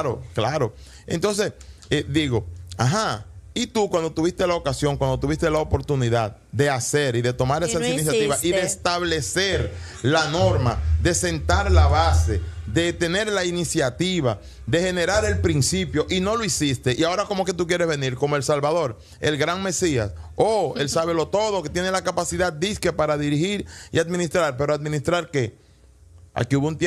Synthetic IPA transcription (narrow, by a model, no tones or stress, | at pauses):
ɾoklaɾo̞ | ent̪o̞nse̞sed̪iɣo̞a̰ɦait̪ukwand̪ot̪uβist̪e̞laokasjo̞ŋkwand̪ot̪uβist̪e̞laopo̞ɾt̪uniðað | d̪e̞ase̞ɾiðe̞t̪o̞maɾesasinis̬jatt̪iβasiðeːst̪aβle̞se̞ɾ | lano̞ɾmaðe̞se̞nt̪aɾlaβase̞ðe̞t̪e̞ne̞ɾlainisjat̪iβa | ðe̞he̞ne̞ɾaɾe̞lpɾinsipjo̞ʔino̞loisist̪e̞ʔiao̞ɾako̞moke̞t̪uk̬je̞ɾe̞zβe̞niɾko̞moe̞lsalβaðo̞ɾ | e̞̰lɡɾaŋme̞sia̰soe̞lsaβe̞lo̞t̪o̞ð̞oket̪je̞nelakapasiðad̪̚d̪iskepaɾaðiɾihiɾiaðmĩnist̪ɾaɾpe̞ɾoad̪̚mĩnist̪ɾaɾke̞ | a̰kiuβount̪